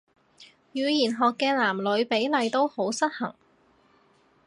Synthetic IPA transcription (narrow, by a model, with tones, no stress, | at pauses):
jyː˨˧jiː˨˩nɦɔː˨kːɛː˧laː˨˩mlɵ˨˧˥ɥpe˨˥jlɐ˨jt̪o˥who˨˥wsɐ˥t̚hɐ˨˩ŋ